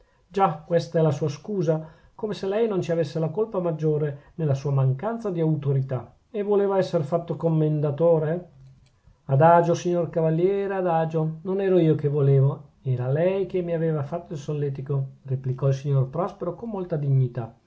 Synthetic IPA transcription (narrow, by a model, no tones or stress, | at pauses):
d͡ʒakːwɛst̪aɛlasuːaskuːza | komeselɛjnont͡ʃiavesːelakolpamad͡ʒːoːɾenelasuːamaŋkant̪sad̪iawt̪oɾit̪a | evːoleːvaɛsːeɾfat̪ːokomːend̪at̪oːɾe | ad̪aːd͡ʒosiɲːorkavaljɛːɾead̪aːd͡ʒononɛːɾoiːokevoleːvoɛːɾalɛjk̟emːiaveːvafat̪ːoilsolːɛt̪ikoreplikɔilsiɲːorpɾɔspeɾokomːolt̪ad̪iɲːit̪a